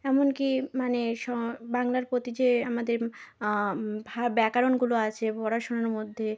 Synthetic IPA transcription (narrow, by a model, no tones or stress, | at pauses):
ɛmonkimaneʃɔbaŋlaɾpɾot̪id͡ʑeamad̪eɾ | bʱabɛkaɾonɡuloat͡ɕʰebɔɽaʃonaɾmod̪ʱːe